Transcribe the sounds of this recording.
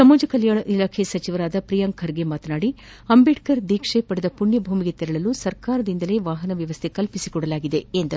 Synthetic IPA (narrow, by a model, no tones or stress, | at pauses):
sɐmuːd͡ʒɐkɐljaːɳɐʔilaːkʰesɐt͡ʃiʋɐɾaːd̪ɐpɾijɐŋkʰɐɾɡe̞maːt̪ɐnaːɽi | ɐmbiʈkɐɾd̪iːkʂepɐɽed̪ɐpuɳjɐbʱuːmiɡe̞t̪iɾɐɭɐlusɐɾkaːɾɐd̪ind̪ɐle̞ːʋaːɦɐnɐʋjɐʋɐst̪ʰe̞kɐlpisikɔɽɐlaːɡid̪e̞end̪ɐu